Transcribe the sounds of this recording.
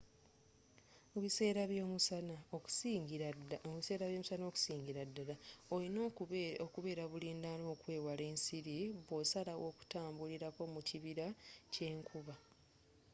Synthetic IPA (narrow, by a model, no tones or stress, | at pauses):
oβiseːɾaβjomusanao | βise̞ːɾaβjo̞ːmusano̞ːku̥siːɲɟiɾadːalaolinokuβe̞ːɾaβuliːndano̞ːkwe̞ːwale̞ːnsiɾiβosalawo̞ːku̥taːmbuliɾako̞muciβiɾace̞ːŋkʰuβa